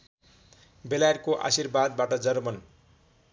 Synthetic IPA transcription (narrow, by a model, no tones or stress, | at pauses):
belajerkoʔa̰sirbad̪̚baʈʌd͡zʌrmʌn